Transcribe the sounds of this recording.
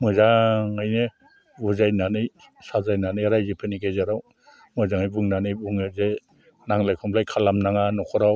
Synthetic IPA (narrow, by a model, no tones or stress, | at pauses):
mɯzaŋajne | buzajnanɯj | sazajnanɯjɾajzepʰɯniɡajzaɾaw | mɯzaŋajbuŋnanɯjbuŋɯze | naŋlajkʰɔmpʰlajkʰalamnaŋanɔkʰɔɾaw